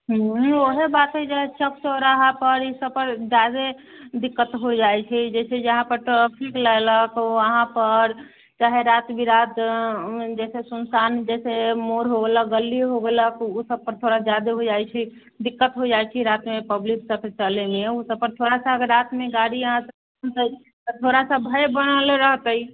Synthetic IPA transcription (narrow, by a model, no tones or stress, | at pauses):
ɦɦoɦebat̪ɦed͡ʒaɦet͡ʃʰəkt͡ʃoɾəɦãpəɾisəbpəɾd͡ʒad̪ed̪ikːət̪ɦod͡ʒaɛt͡ʃʰɛd͡ʒɛsʰed͡ʒəɦãpəɾʈɾapʰiklələkoəɦãpəɾ | t͡ʃaɦeɾat̪bʱiɾat̪ | d͡ʒɛsesənsand͡ʒɛsemoɾɦoɡeləkɡəlːiɦoɡeləkusəb̚pəɾt̪ʰoɽad͡ʒad̪eɦod͡ʒajt͡ʃʰɛ | d̪ikːət̪ɦod͡ʒajt͡ʃʰiɾat̪mepəbliksəpʰt͡ʃəlemeusəb̚pəɾt̪ʰoɽasaɡəɾat̪meɡaɽiəɦãsə | mt̪ə | t̪ʰoɾasəbʱəjbəɽ̃aleɾəɦt̪əi